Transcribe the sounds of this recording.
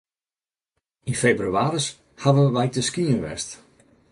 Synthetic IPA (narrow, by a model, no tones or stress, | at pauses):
infebryaːɾəs | haʋəʋɛjtəskiənʋɛ̰st